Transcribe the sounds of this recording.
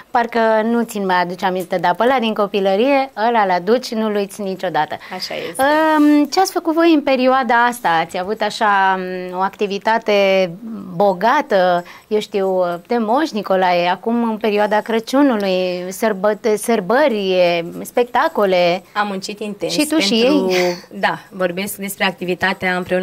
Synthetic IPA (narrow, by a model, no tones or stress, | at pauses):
parkənut̪sinmajad̪ut͡ʃamint̪e̞d̪apəlad̪iŋko̞piləɾije̞əlalad̪ut͡ʃʲnulujit̪sʲnit͡ʃo̞d̪at̪əaʃa̰jḛət͡ʃeat̪sʲfəkut̪vo̞jɨnpe̞ɾioad̪aast̪aːt̪sʲjavut̪aʃao̞akt̪ivit̪at̪e̞ | bo̞ɡat̪əjewʃt̪iwt̪e̞mo̞ʃniko̞lajakumɨnpe̞ɾioad̪akɾət͡ʃunulujsərbət̪sərbəɾʲiespe̞k̚t̪ako̞le̞amːunt͡ʃit̪int̪enʃsit̪ueʃij̪ejud̪avo̞rbe̞skd̪e̞spɾe̞ak̚t̪ivit̪at̪eaɨmpɾeun